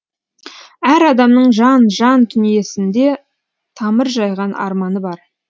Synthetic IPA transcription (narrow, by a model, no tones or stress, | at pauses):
æɾɑd̪ɑmnəɴʒɑnʒɑnt̪ʰʏnije̞sɪnd̪e̞ | t̪ʰɑməɾʒɑjʁɑnʔɑ̰ɾmɑnəbɑɾ